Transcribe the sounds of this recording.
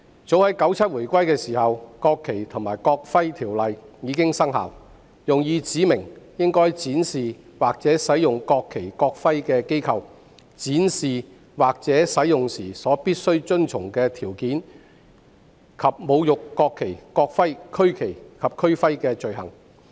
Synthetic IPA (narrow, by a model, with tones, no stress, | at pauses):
t͡so˨˥whɐ˨˥jkɐ˨˥wt͡sʰɐ˥t̚wuː˨˩jkʷɐ˥jkɛː˧siː˨˩hɐ˨wkɔː˧kʰːe˨˩jt̪ʰʊ˨˩ŋmaː˨˩jkɔː˧k̚fɐ˥jt̪ʰiː˨˩wlɐ˨jjiː˨˧kɪ˥ŋsɐ˥ŋɦa̰ː˨w | jʊ˨ŋjiː˨˧t͡siː˨˥mɪ˨˩ŋjɪ˥ŋkɔː˥jt͡siː˨˥nsiː˨waː˨k̚t͡sɛː˨˥sɐ˨˥jjʊ˨ŋkɔː˧kʰːe˨˩jkɔː˧k̚fɐ˥jkɛː˧ke˥jkʰɐ˧w | t͡siː˨˥nsiː˨ | waː˨k̚t͡sɛː˨˥sɐ˨˥jjʊ˨˩ŋsiː˨˩sɔː˨˥piː˥t̚sɵ˥ɥt͡sɵ˥nt͡sʰʊ˨˩ŋkɛː˧t̪ʰiː˨˩wkiː˨˥n | kʰɐ˨p̚mo˨˧wjʊ˨kːɔː˧kʰːe˨˩jkɔː˧k̚fɐ˥jkʰɵ˥ɥkʰe˨˩jkʰɐ˨p̚kʰɵ˥ɥfɐ˥jkɛː˧t͡ʃɵ˨ɥɦɐ˨˩ŋ